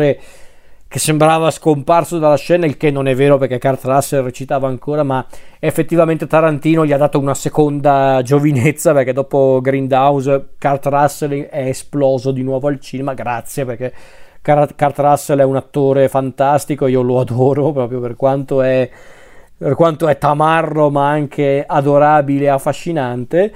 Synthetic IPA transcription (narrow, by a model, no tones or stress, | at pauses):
ɾe | k̟esːembɾaːvaskomparsod̪alːaʃɛːnailkenːonɛvːeːɾoperkekːart̪rasːelret͡ʃit̪aːvaːŋkoːɾamaefːet̪ːivament̪et̪aɾant̪iːnoʎiad̪ːaːt̪ounasekond̪ad͡ʒovinet̪sːaperk̟ed̪ːɔːpoɡɾind̪awzkart̪ɾasːelɛːsplɔːzod̪inwɔːvoalt͡ʃiːnemaɡɾat̪sːjeperk̟ɛkakart̪ɾasːelɛunat̪ːoːɾefant̪ast̪ikoeiːoload̪ɔːɾopɾɔːpɾjoperkwant̪oɛ | perkwant̪oɛt̪amarːomaaŋkʰead̪oɾaːbileːafːaʃːinant̪e